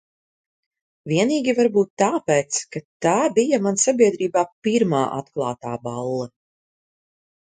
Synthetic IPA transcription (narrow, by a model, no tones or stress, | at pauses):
viɛniːɡʲivaɾbuːt̪ːaːpeːt̪skat̪aːbijɐmansabiɛd̪ɾiːbaːpiɾmaːʔa̰t̪klˠɑːt̪aːbalˠːa